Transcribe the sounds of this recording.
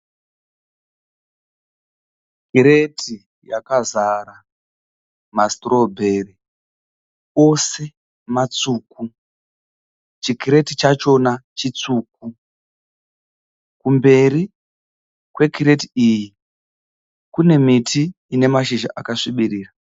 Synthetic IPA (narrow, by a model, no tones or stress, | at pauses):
kiɾe̞tʰi | jakazara | mastro̞bʱe̞ri | o̞se̞ | mat͡suːku | t͡ʃikiɾe̞tit͡ʃat͡ʃo̞nat͡ʃit͡suːk̚u | kumbe̞ri | kwe̞kiɾe̞tiiːji | kune̞mitʰiː | ne̞maʃiʒa̰ʔakaʂiɓiriːra